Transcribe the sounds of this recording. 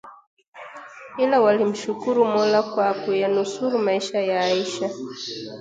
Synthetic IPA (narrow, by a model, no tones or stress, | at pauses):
ilawalim̩ʃukuɾumɔlakwakujanusuɾumaiʃajaːiʃa